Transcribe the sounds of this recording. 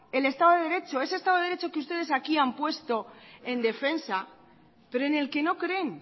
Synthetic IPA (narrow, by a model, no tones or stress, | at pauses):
e̞le̞st̪aðoðeeɾe̞t͡ʃo̞e̞s̬est̪aðoɾe̞t͡ʃokeust̪e̞ðe̞sakiampwe̞st̪o̞e̞nd̪e̞fe̞nsa | pe̞ɾoene̞lke̞no̞kɾe̞n